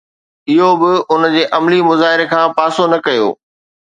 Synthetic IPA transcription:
ɪɦobɪʊnd͡ʑeːʔɐmlimʊzaːɦɪɾekʰãːpaːsonɐkɐjo̰ː

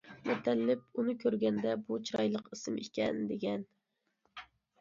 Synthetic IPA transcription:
mɛt̪ʰɛlːɪp̚unɨkʲʰøɾɡʲɛnd̪ɛbut͡ʃʰiɾɑ̰jlˠəqɨsɨmikʲɛnd̪eɡʲɛn

